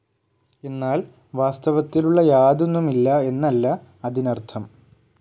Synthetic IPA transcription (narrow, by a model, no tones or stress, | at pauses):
e̞nːaːl | ʋaːst̪ɐʋɐt̪ːiluɭːɐjaːd̪unːumilːɐe̞nːɐlːɐː | ðinɐrt̪ʰɐm